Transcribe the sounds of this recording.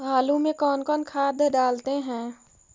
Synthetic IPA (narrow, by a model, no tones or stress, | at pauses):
ɦaːlũmẽkɔːnkɔːnkʰaːd̪ʱɖaːlt̪eɦɛ̃ː